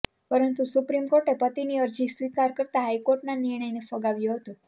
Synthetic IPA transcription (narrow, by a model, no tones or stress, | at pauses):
pəɾənt̪usupɾimkoɾʈepət̪iniəɾd͡ʒisʋikaɾkəɾt̪aɦajkoɾʈnanɪɾɳ̃əjnefəɡaʋjoɦət̪o